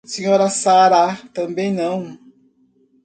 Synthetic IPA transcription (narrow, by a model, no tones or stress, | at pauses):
sẽɲɔɾɐsaɾat̪ɐ̃mbẽj̃nɐ̃w̃